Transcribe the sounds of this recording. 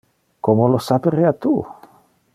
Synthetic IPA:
komolosapeɾeat̪u

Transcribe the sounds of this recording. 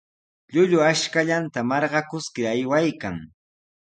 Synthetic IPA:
ʎʊʎʊaʃkaʎant̪amɑɾɢɑkʊskɪajwajkaŋ

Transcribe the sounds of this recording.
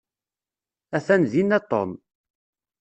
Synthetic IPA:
æθænðinːæt̪ˤːɔ̰m

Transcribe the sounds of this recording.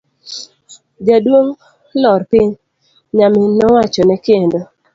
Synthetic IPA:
d͡ʒadwoŋ | lɔɾpɪɲ | ɲamɪnɔwat͡ʃɔnɛkendo

